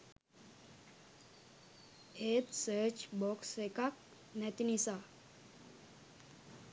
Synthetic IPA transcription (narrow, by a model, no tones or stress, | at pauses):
et̪sət͡ɕbɔksekak̚ | nɛt̪inisa